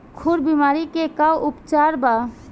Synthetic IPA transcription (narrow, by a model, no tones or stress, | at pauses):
kʰuɾbimaɾikekawʔupt͡ʃaɾba